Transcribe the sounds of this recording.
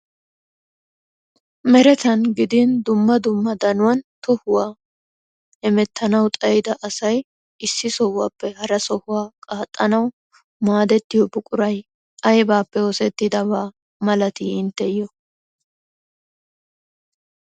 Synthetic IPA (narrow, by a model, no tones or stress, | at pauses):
mɛɾɛt̪ɐnɡɪd̪ɪnd̪ʊmːɐd̪ʊmːɐd̪ɐnʊwɐnt̪ɔhʊwaː | ɛmɛt̪ːɐnɐwt̪ʼɐjɪd̪ɐʔɐsɐj | ɪsːɪsɔwːaːpːɛhɐɾɐsɔhʊwaːkʼaːt̪ʼːɐnɐw | maːd̪ɛt̪ːɪjɔbʊkʼʊɾɐj | ʔɐjbaːpːɛɔsɛt̪ːɪd̪ɐbaː | mɐlɐt̪iɪnt̪ːɛjɔ